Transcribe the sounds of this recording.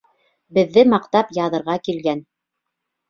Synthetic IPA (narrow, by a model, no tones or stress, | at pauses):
bɘ̆ðːɘmɑqt̪ɑpjɑðɤ̆ɾʁɑkilɡæn